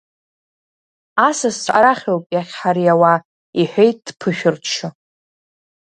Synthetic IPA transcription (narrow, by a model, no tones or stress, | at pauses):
asast͡ʃʷʼa̰ɾaχʲowpʼjaχʲħaɾiawa | iħʷᶣejt̚ʼd̥pʰɨʃᶣʊrt͡ʃʰɨ